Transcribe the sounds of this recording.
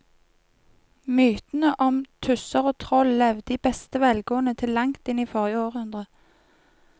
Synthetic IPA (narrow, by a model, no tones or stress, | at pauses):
myːt̪n̩əʔɔmt̪ʰʉsəʁoːt̪ʰʁɔllɛʋd̪iːbɛst̪əʋɛlɡoːənət̪ʰɪlːɑŋt̪ɪniːfɔʁjəoːʁhʉnd̪ʁə